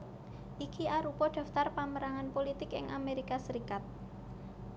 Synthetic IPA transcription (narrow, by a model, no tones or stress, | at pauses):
ʔikiʔaɾupɔɖ̪̥ä̤ft̪arpaməɾaŋanpolit̪ɪkɪ̰ŋʔameɾikasəɾikat̪̚